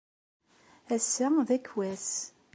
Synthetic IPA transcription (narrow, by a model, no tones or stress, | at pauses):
æsːæðækwæs